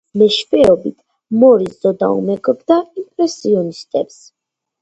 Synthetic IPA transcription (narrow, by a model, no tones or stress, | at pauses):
mɛʃfɛɔbit̪ʰ | mɔɾiszɔd̪a̰ṵmɛɡɔb̚d̪aimpʼɾɛsiɔnist̪ʼɛps